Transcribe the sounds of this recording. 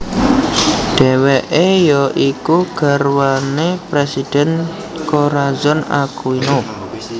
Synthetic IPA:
ɖ̥ɛ̤weʔejɔʔikuɡ̥a̤ɾwanepɾesid̥ɛ̤n | koɾazɔna̰kuino

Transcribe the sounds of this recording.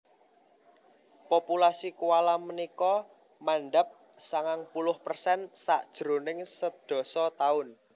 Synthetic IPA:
populasikualamənikɔ | manɖəp̚ | saŋaŋpulʊhpərsɛnsaʔd̥ʒ̥ɾo̤nɪŋsəd̥ɔ̤sɔt̪aʊn

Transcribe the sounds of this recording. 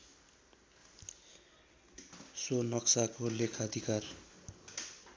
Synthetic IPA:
sonʌksakolekʰaʌd̪ʱikar

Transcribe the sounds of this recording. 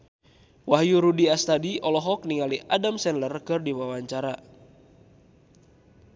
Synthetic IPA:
waɦjuɾudiast̪adiʔɔlɔɦɔk̚niŋaliʔadamsɛnlərkɨrdiwawaɲt͡ʃaɾa

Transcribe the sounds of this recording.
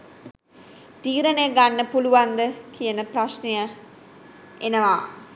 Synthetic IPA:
t̪iːɾənejəɡanːəpuluʋand̪əkijənəpraʃnejə | enəʋaː

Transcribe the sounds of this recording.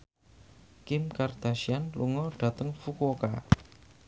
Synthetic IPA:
kɪmkard̪̥aʃianlṵŋɔɖ̥ä̤t̪əŋfukoka

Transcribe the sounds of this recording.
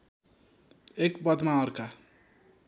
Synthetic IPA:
ekbʌd̪ʱmaʌɾka

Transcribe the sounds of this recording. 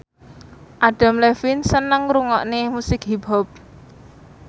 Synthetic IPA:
ʔaɖ̥a̤mlɛfinsənəŋɾuŋɔ̰ʔnemusɪkɦiba̤p̚

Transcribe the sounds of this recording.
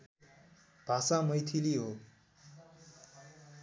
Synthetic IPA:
b̥ʱasamʌjt̪ʰiliɦo

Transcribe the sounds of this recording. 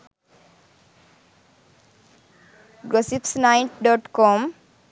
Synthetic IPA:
ɡɾɔsipsnaɪʈɖɔʈkɔm

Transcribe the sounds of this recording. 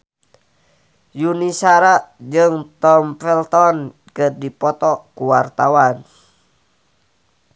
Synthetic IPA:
junisaɾaʔd͡ʒɨŋt̪ɔmfɛlt̪ɔn | kɨrdipɔt̪ɔkuwart̪awan

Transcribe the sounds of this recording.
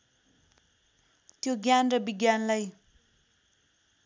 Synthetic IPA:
t̪joɡjanrʌbiɡjanlaj

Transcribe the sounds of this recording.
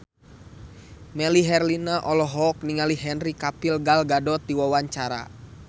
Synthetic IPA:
mɛliɦɛrlinaʔɔlɔɦɔk̚niŋaliɦɛnrikapilɡalɡadɔt̪iwawaɲt͡ʃaɾa̰

